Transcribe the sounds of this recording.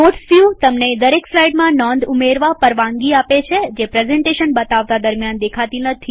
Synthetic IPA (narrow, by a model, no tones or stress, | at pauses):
oʈfjut̪əmned̪əɾekslaiɖmãnɔ̃nd̪umeɾʋapəɾʋãŋɡiapet͡ʃʰed͡ʒepɾezɛ̃ɳʈeʃənbət̪aʋt̪ad̪əɾmjand̪ekʰat̪inət̪ʰi